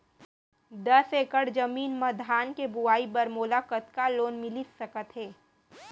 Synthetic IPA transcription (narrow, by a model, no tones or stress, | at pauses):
d̪ɐseːkəɽd͡ʒɐmiːnmɐd̪ʱaːnkebʊaːibɐɾmoːlakət̪kaloːnmɪlisɐkət̪ɦeː